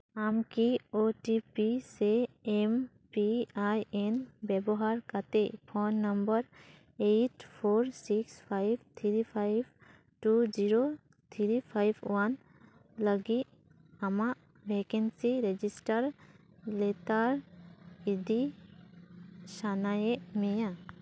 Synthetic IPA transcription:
amkioʈipiseem | piajenbɛbɔɦaɾkat̪epʰonːəmbəɾ | eʈpʰoɾsikspʰajbt̪ʰiɾipʰajb | ʈud͡ʒiɾo | t̪ʰiɾipʰajbwan | ləɡit | amaʔ | bʱekɛnsiɾed͡ʒisʈəɾ | let̪aɾ | id̪i | sanajeʔmɛja

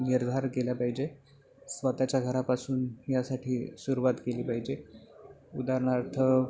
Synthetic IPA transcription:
niɾd̪ʱaɾkeljapaɦid͡ʑe | sʋət̪at͡ɕjaɡʱəɾapasuːnjasaʈʰiːsuɾuʋat̪keliːpaɦid͡ʑe | ud̪aɾɳ̃aɾt̪ʰə

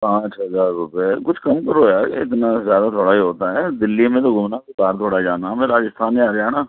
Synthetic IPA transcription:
pãːt͡ʃɦəzaːɾːʊpekʊt͡ʃʰkɐmkəɾɦoːjaːɪt̪nazjaːd̪at̪ʰoːɽaiɦoːt̪aɦɛd̪ɪlːimẽt̪oɡʊmnakekaːɾt̪ʰoːɽad͡ʒaːnamẽːɾaːd͡ʒɪst̪ʰaːneaːɾeaːnaː

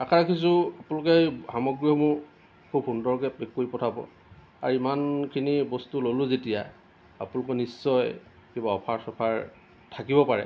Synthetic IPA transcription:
akʰaɹakʰis̬ʊapũlɔkɛhamɔɡɹiɔmʊɹ | kʰubhundɔɹkɛekːoipɔtʰabɔ̰ | a̰ɹimankʰinibɔstulolʊ̃zetija | a̰pũnlɔkɔnisːɔj | kibaɔpʰaɹsɔpʰaɹ | tʰakibɔpaɹɛ̰

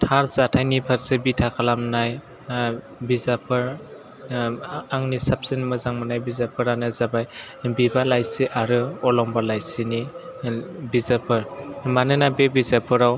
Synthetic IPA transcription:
tʰaɾzatʰajnipʰaɾsebitʰakʰalamnaj | bizapʰɯɾ | aŋnisap̚sinmɯzaŋmɯnajbizapʰɯɾanɯzabaj | bibalajsiʔaɾɯɔlɔmbalajsini | bizapʰɯɾmanɯnabebizapʰɯɾaw

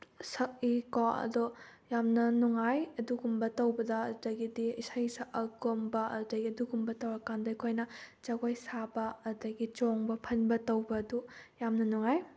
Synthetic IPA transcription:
sɐk̚ikaɐ̰dɔjamnɐnuŋajɐduɡumbɐtɐwbɐdɐdɐɡidiisajsaʔɐɡombɐdɐɡiɐduɡumbɐtɐwɐkandɐikʰojnɐt͡ʃaɡojsabɐːdɐɡit͡ʃoŋbɐpʰɐnbɐtɐwbɐːdujamnɐnuŋaj

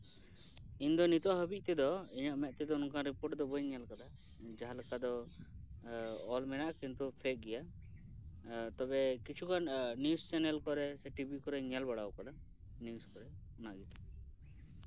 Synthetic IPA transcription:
ind̪ɔnit̪ɔʔɦəbic̚ˀt̪ɛd̪ɔiɲaʔmɛʔ̪̚t̪ɛd̪ɔunkanɾipɔʈd̪ɔbɔjɲɛlkad̪a | d͡ʒaɦalakad̪ɔ | ɔlmɛnaʔkint̪upʰɛk̚ɡɛja | t̪ɔbɛkit͡ʃʰukannjust͡ʃɛnɛlkɔɾɛsɛʈibʱikɔɾɛɲɛlbaɽawkad̪a | njuskɔɾɛ | ɔnaʔɡɛt̪ɛ

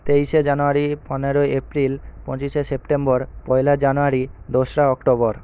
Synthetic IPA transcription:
t̪ejʃed͡ʑanoaɾipɔneɾoeepɾilpɔ̰̃t͡ɕiʃesepʈembɔɾpɔjlad͡ʑanoaɾid̪oʃɾaɔkʈobɔɾ

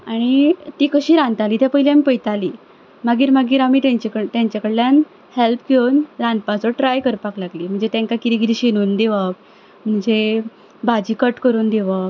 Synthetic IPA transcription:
aɽ̃it̪iːkəɕiːɾãnt̪aliːt̪epəɦiljamipəjt̪aliː | maɡiːɾmaɡiːɾamiːt̪aɲt͡ɕekət̪jaɲt͡ɕakəɽljan | helpɡʱownɾãnt̪̚pãt͡sɔʈɾajkəɾpaklaɡliːm̤əɳd͡zet̪jãŋkakit̪iɡiɾiɕenuːnd̪eʋak | m̤əɳd͡ze | bad͡ʑiːkəʈkəɾuːnd̪eʋa

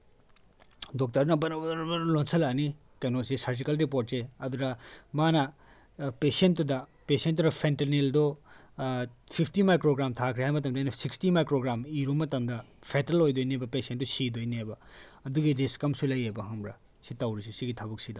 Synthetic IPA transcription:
dok̚tɐɾnɐbɐlonsʰɐlani | kɐjnosesɐɾd͡ʒikɐlɾip̬oɾt̚seɐd̪uɾɐmanɐ | pesentːudɐpesentːunɐpʰenteneldo | pʰipʰtimajkɾoɡɾamtʰakʰɾehajmɐt̬ɐmdajnɐsikstimajkɾoɡɾamiɾumɐtɐmdɐpʰetɾɐlojdojnebɐpesentːusidojnebɐɐduɡiɾiskɐmsulɐjebɐɦɐmɾɐ | sitɐwɾis̬isiɡitʰɐbɐk̚sidɐ

